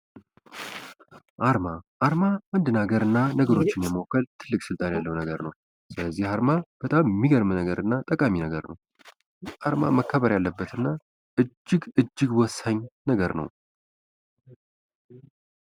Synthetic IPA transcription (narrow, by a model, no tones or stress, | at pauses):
ʔaɾmaʔaɾmamɨnd̪ɨnaɡəɾɨnːanəɡəɾo̞t͡ʃːɪnjɛmowkʰːəlt̪ʰɨlːɨkʼsɨlt̪ʼanjalːəwnəɡəɾnəw | sɨləzːihaɾmab̥ət̪ʼammːiɡəɾmnəɡəɾɨnːat̪ʼəkʼaminəɡəɾnə̰w | ʔaɾma̰məkʰːəβəɾjalːəbːət̪ɨnːa | ʔɨd͡ʒːɨɡɨd͡ʒːɪɡwɔsaɲːnəɡəɾnə̰w